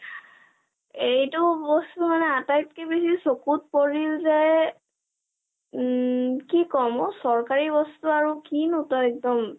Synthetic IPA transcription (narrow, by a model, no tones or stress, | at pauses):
ejtʊbɔstumanɛatajt̚kɛbesisokut̚poɹilzɛ | kikɔmɔsɔɹkaɹibɔstuaɹukinutɔɛk̚dɔm